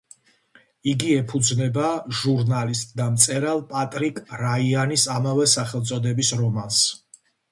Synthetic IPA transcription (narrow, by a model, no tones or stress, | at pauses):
iɡiɛpʰud̪znɛbaʒuɾnalist̪ʼd̪amt̪sʼɛɾalˠpʼat̪ʼɾikʼɾaianisamavɛsaχɛlˠt̪sʼɔd̪ɛbisɾɔmans